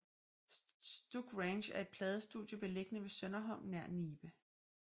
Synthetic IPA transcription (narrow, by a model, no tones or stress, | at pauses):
sd̥uɡ̥ʁenɕæɐe̝d̥̚pʰlɛːð̞ˠəsd̥ṵð̰ˠjəb̥e̝le̝ɡ̥ənəʋe̝sœnɐɦɒ̽n̰næɐ̰niːb̥ə